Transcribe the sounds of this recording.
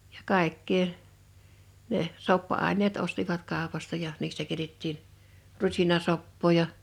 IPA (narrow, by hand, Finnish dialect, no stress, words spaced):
j̊ɑ̥ kɑˑe̝kːeː neh̆ sopːɑɑˑinˑeːt ostiʋɑt kɑˑopɑstɑ jɑ niːstæ keĭtetːiːn rusinɑsopːoː jɑ